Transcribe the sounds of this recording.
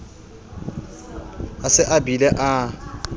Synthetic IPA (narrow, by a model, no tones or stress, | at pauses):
asɪʔabilɛʔa